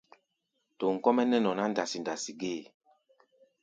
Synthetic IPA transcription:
to˨ŋ̩˨kɔ˦mɛ˦nɛ˦nɔ˨na˦n̩˦da˨si˨nda˨si˨ɡe˦˨

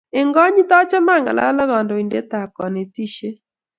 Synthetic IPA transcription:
e˨ŋɡɔ˦ɲi˦t̪ɔ˦t͡ʃɔ˦ma˦˨ŋa̰˨la̰˦la˦ɡɔ˨ndɔ˨i˨nde˦t̪a˨kɔ˨ne˨ti˦ʃe˦

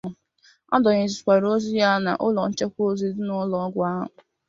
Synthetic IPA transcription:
ɔ̰˦dɔ˨ɲe˨zi˨kʷa˨ɾo˦zi˦ja˦na̰˨ʔʊ˦lɔ˨n̩˦t͡ʃe˦kʷo˦zi˦dʊ˦nʊ˨˦lɔ˨˦ɡʷa˦ɦʊ˨

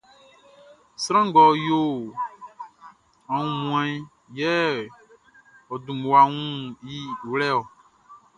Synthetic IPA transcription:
sɾã˦ŋ˦ɡɔ˨jo˦ | ã˨ŋũ˨mũ˨ɛ̃˦ | jɛ˦ | ɔ˨dũ˨mu˨a˨ŋũ˦ji˦˨wlɛ˦ɔ˨

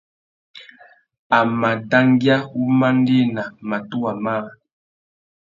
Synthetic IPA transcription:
a˨ma˨da˦ŋɡja˦u˦ma˦n˦de˦na˨ma˨tu˦a˨ma˦˨

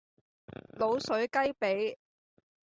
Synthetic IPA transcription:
lo˨˧wsɵ˨˥ɥkɐ˥jpe˨˥j

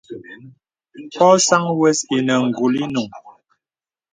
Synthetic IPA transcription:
pɔ˦sa˦ŋwɛ˦si˨nə˨ŋ̩˨ɡu˨li˦nu˨ŋ

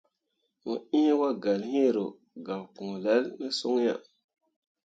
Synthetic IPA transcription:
mo˨ĩ˦e˦wa˦ɡa˨lhĩ˦e˦˨ɾo˨ | ɡa˨wpu˨ŋ˨la˨˦lne˦so˦ŋja̰˨

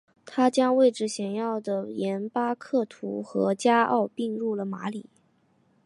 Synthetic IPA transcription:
t̪ʰa˥t͡ɕjɑ˥ŋwe˥˩ɪʈ͡ʂɻ̩˥˩ɕjɛ˨˩njɑ˥˩ʊd̪ə˩jɛ˧˥npa˥kʰɤ˥˩t̪ʰṵ˧˥xɤ˧˥t͡ɕja˥ʔɑ̰˥˧ʊpi˥˧ŋɻu˥˩lə˩ma˧˥li˨˩˦

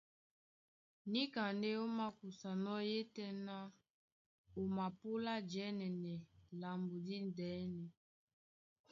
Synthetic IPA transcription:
ni˦ka˨nde˦o˦ma˦ku˨sa˨nɔ˦je˦tɛ˦na˦ | o˨ma˨pu˦la˦d͡ʒɛ˦nɛ˨nɛ˨la˨mbu˨di˦ndɛ˨˦nɛ˨

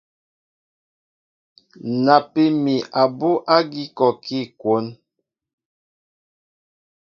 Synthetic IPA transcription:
na˨pe˦mi˨ʔa˨bo˦ʔa˦ɡi˦kɔ˨kʰi˦˨kwo˨˦n

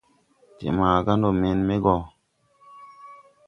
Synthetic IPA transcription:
tḛ˨maː˨ɡa˦n˦do˦˨me˨nme˦ɡɔ˨

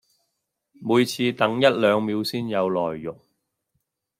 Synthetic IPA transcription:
muː˨˧jt͡sʰiː˧t̪ɐ˨˥ŋjɐ˥t̚lœː˨˧ŋmiː˨˧wsiː˥njɐ˨˧wlɔ̰ː˨˩jːʊ˨˩k̚

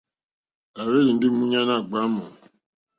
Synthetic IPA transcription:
a˨we˦ɾi˨n̩˦dɪ˦mu˦ɲa˦na˦˨ɡ͡ba˦mɔ̰˨

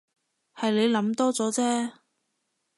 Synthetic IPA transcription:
hɐ˨jle˨˧jlɐ˨˥mt̪ɔː˥t͡sɔː˨˥t͡sɛː˥

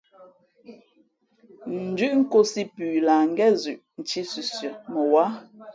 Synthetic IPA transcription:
n̩˨d͡ʒʉ˦ʔŋ̩˦ko˦si˦pʉː˨la˨ŋ̩˦ɡɛ˦zʉ˨ʔn̩˨t͡ʃi˦sʉ˨sjɔ˨mə˨wa˦

